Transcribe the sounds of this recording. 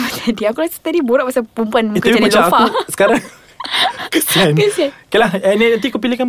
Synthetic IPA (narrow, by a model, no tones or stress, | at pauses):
t̪ʰadiakulasḁt̪adiboɾaʔpasapumpuanik̪aimat͡ʃaafausə̥kaɾaŋ | kəsiankəsiankalahɛnɛat̪ikup̬ilihkan